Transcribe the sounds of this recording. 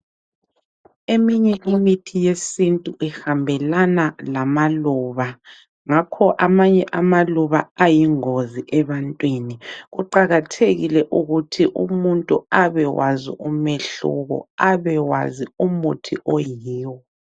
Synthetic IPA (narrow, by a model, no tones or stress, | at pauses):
emiɲɛʔimitʰijesintʼuʔɛhambʱɛlanalamaluːβa | ŋakʰɔʔamaɲɛʔamaluβaajiŋoziʔɛβantʼwiniɣuǃaɣatʰeɣilɛʔuɣutʰiʔṵmuntʼuaβɛwazḭʔumeɬṵɣɔ̰aβɛwa̰ziumutʰiʔojiːwɔ